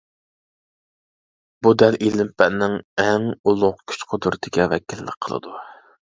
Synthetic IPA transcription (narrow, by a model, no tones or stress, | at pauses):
bud̪æɾʔilɪmpɛʔnɪŋɛŋulˠʊqkʲʰy̥t͡ʃqʰod̪uɾɨt̪ʰɪkʲɛwɛ̰kʲilːɪ̰k̚ʲqʰəlˠɨ̰d̪u